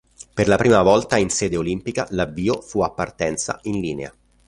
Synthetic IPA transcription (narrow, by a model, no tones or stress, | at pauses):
perlapɾiːmavɔlt̪ainsɛːd̪eolimpikalavːiːofuapːart̪ɛnt̪sa̰inliːnea̰